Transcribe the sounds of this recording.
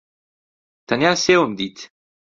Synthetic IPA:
t̪anjaseomd̪it̪

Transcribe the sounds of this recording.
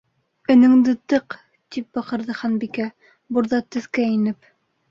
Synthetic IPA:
ɘ̆nɘ̆ŋd̪ɘt̪ɤq | t̪ip̚bɑqɤ̆ɾðɤχænbikæ | buɾðɑt̪ɵ̆θkæinɘp

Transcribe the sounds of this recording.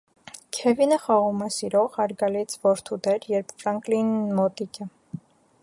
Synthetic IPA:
kʰɛvinəχɑʁumɛsiɾɔʁɑɾɡɑlit͡sʰvɔɾt̪ʰud̪ɛɾjɛɾpʰfɾɑŋklinmɔt̪ikə

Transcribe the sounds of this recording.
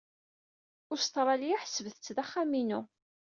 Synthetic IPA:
ʊɾst̪ɾˤɑlijaħəsəvəθət͡sːðaχːaminu

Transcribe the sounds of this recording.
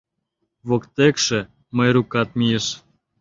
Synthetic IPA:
βokt̪ekʃĕ | məjɾukɑt̪̚mijəʃ

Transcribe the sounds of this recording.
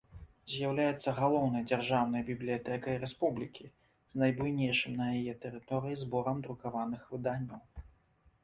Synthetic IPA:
zʲjawlʲajɛt̪sːɐɣalˠɔwnɐjd͡zʲarʐawn̪ɐjbʲiblʲijat̪ɛkɐjiɾɛspublʲikʲi | znɐjbujnʲejʂɨmnɐjajɛt̪ɛɾɨt̪ɔɾɨjizbɔɾɐmd̪ɾukavanɨxvɨd̪anʲːɐw

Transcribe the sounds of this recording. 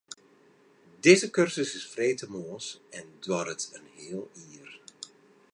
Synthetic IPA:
dezəkørsəsɪsfreːtəmoːsɛndwɑrətənhɪəlˠiːr

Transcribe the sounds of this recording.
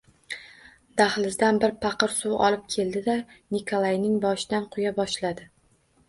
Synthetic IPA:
d̪̥aχlɪzd̪anbɪɾpʰɑqɨɾsuwɒ̰lˠɪp̚kʲʰe̞ld̪ɪd̪anikʰolˠajnɪŋbɒʃɪd̪anqʰʊjabɒʃlad̪ɪ

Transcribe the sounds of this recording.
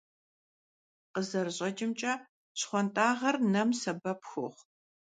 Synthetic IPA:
qəzɐrɨɕʼɐt͡ʃʼɪmt͡ʃʼɐ | ɕχʷɔntʼaːʁɐrnɐmsɐbɐpxʷʊ̰χʷ

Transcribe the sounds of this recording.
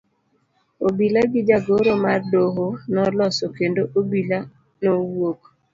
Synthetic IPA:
obilaɡɪd͡ʒaɡoɾomardoɦonɔlɔsokendoʔobila | nowok

